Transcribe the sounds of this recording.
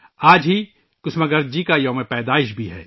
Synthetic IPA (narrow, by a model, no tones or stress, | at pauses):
aːd͡ʒɦi | kʊsməɡɐɾd͡ʒikajɐ̃ːmẽpɛːd̪aːɪʃbʱiɦɛ̰ː